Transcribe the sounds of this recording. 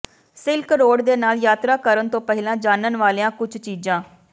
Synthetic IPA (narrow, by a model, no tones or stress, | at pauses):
sɪlkɾoːɽd̪eːnaːljaːt̪ɾaːkəɾənt̪õːpɛɦɪlãːd͡ʒaːnənʋaːleːãːkʊd͡ʒʰt͡ʃiːd͡ʒãː